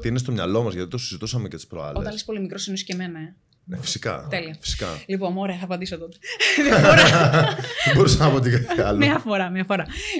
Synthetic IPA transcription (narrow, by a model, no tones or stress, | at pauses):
t̪iinest̪o̞mɲɐ̰lo̞mɐzʝɐt̪it̪o̞sizit̪usɐmecet̪ispɾo̰ɐ̰lot̪ɐnlispo̞limikɾosiniscemene | fi̥si̥kɐ̰t̪eliɐfi̥si̥kɐ̰lipo̞moɾe̞ɐθɐpɐnd̪isot̪ot̪eðiɐfoɾɐ | ðebo̞ɾisɐnɐpot̪iɡɐθɐlmɐfoɾɐmɐfoɾɐ